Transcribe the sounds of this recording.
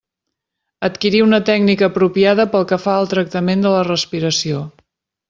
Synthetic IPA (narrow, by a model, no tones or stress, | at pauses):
ət̪kiɾiunət̪ɛɡnikəːpɾupiaðəpəlˠkəfaəlˠt̪ɾək̚t̪əmend̪ələrəspiɾəsio